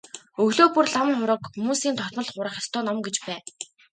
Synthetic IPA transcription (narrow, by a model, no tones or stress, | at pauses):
ɵɣɮoːpurɮamŋχʊɾə̆kxumuːsiːnt̪ʰɔt̪mɞ̆ɮχʊɾə̆χʲar̥t̪ʰɔːnɔmɡet͡ɕpæː